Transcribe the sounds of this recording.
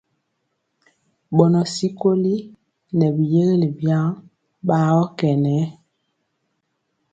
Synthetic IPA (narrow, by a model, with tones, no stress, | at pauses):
bɔ˨nɔ˨si˦ko˦li˦ | nɛ˨bi˨je˦ɣe˦li˨bja˦ŋ | ba˦ɔ˦kɛ˨nɛ˨˦